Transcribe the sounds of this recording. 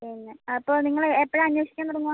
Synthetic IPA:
enːeɐpːoːɭniŋːɐɭepːɐɻmɐɲːwoːʂikʲːaːnp̪ɐɾɐŋːuʋa

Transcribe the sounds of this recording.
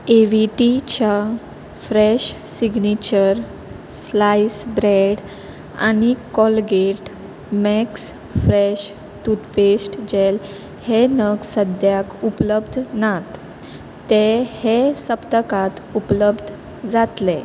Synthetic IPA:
eʋiʈit͡ɕa | fɾɛɕsiɡnit͡ɕəɾ | slajsbɾeɽ | a̰ñikɔlɡeʈ | mɛks | fɾeɕ | t̪ut̪pesʈd͡ʑel | henəɡsəd̪ʱjakupləbd̪ʱnat̪ː | ehesəpt̪əkat̪upləbd̪ʱ | d͡zat̪le

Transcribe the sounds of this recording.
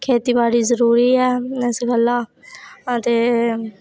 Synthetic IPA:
kʰeːt̪iːbaːɽiːzəɾuːɾiːɛːɛsɡəlːaːət̪eː

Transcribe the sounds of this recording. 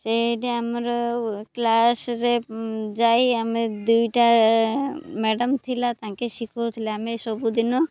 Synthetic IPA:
seʈeamɾklasɾed͡ʒajamed̪ujʈa | mɛɖəmt̪ʰilat̪ãkeʃikʰot̪ʰilaamesɔbud̪inɔ

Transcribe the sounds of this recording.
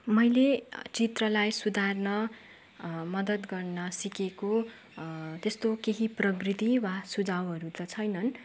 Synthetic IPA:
mʌjlet͡sit̪rʌlajsud̪ʱarnʌ | mʌd̪ʌt̪ɡʌrnʌsikeko | t̪est̪okeɦiprʌɡrit̪iwasud͡zawɦʌɾut̪ʌt͡sʰʌjnʌn

